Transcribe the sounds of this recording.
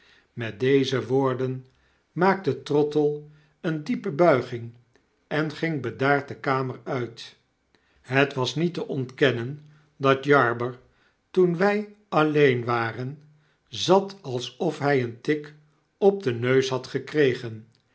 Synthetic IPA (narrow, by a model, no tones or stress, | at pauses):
mɛt̚dejzəʋoːɹdən | maːk̚tətrɔtəlˠ | əndipəbœɥχɪŋ | ɛnχɪŋbədaːɹt̚dəkaːməɹœɥt | ɦətʋɑsnitəʔɔntkɛnən | dɑtjɑɹbəɹ | tunʋɛj | ɑlejnʋaːrən | zɑtɑlˠsɔfɦɛjəntɪk | ɔb̚dənøɥsɦɑtχəkrejχən